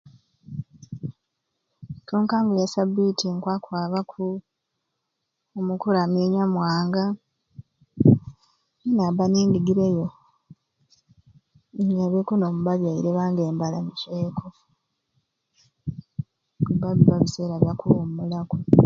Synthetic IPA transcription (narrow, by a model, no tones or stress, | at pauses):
toːŋkaːŋɡajasabitʰiŋkwaːkwaːβakʰu | omukulameːɲamwaːŋɡa | enabaniːndiɡiɾejo | iɲaβekunomuβaβjaiɾeβaːŋɡe̞ːmbalamiʃekʰo | βaβiβaβise̞ːɾaβjakuommulako